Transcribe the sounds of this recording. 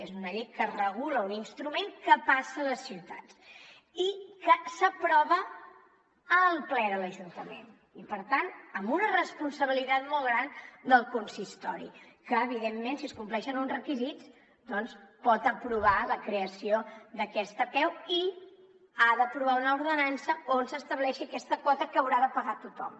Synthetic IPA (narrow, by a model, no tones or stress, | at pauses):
ezunəʎejkərəɣ̞uləuninst̪ɾumeŋkəpasələsːiwt̪a̰tt͡s | ikəsəpɾɔβə | əlˠplɛðələʒunt̪əmḛn | ipəɾt̪anəmbunərəspunsəβ̞ilit̪at̪mɔlˠɣɾand̪əlˠkunsist̪ɔɾḭkəːβ̞iðemːensiəskumplɛʃənunzrəkizit͡s | d̪ɔnspɔt̪əpɾuβaləkɾeəsioðəkɛst̪əpɛwi | aðəpɾuβaunəuɾðənansəonsəst̪əβlɛʃiəkɛst̪əkwɔt̪əkəwɾaðəpəɣat̪ut̪ɔ̰m